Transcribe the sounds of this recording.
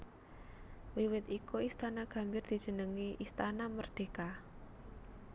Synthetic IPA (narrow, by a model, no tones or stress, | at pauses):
wiwɪt̪ikuist̪anaɡ̥a̤mbɪrd̪̥i̤dʒ̥ə̤nəŋiʔist̪anamərd̪̥e̤ka